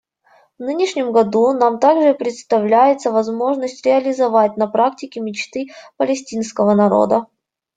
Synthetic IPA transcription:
vnɨnʲɪʂnʲɪmɡɐd̪unamt̪aɡʐɨpɾʲɪt̪st̪ɐvlʲæjɪt̪səvɐzmo̞ʐnəsʲtʲɾʲɪɐlʲɪzɐvatʲnɐpɾaktʲɪkʲɪmʲɪt͡ɕt̪ɨpəlʲɪsʲtʲinskəvənɐɾo̰d̪ə

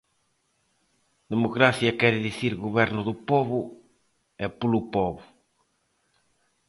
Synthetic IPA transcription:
d̪emokɾaθjɐkɛɾɪðiθiɾɣuβɛɾnʊðʊpɔβʊ | ɛpulupɔβʊ

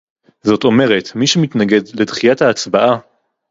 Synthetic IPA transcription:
zo̞to̞me̞ʁe̞tmiʃemitnaɡe̞dle̞dχijathaːt͡sbaʔa

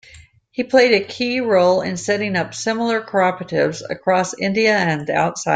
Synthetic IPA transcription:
hipʰl̥eɪɾɨkʰiɹoʊlˠɪ̰̃nsɛɾɪ̃ŋʌpsɪ̃ml̩ˠə˞kʰə˞ɑpɹɨɾɪvzɨ̰kʰɹ̥ɔsɪ̃ndiɨɨ̃nda̰ʊtsaɪ

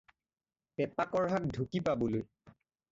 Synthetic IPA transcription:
pɛpakɔɹɦat̚dʱukipaboloj

